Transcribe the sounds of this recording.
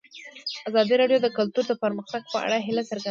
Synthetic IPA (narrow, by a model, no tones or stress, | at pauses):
azɑd̪iɾɑɖjod̪əkʊlt̪uɾd̪əpəɾməxt̪aɡ̚pəa̰ɽaɦɪlasəɾɡa